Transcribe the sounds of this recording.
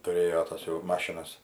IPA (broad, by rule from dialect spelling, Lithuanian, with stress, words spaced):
tʊˈrʲeːjoː ˈtɐs jɛʊ ˈmɑːʃʲɪnɐs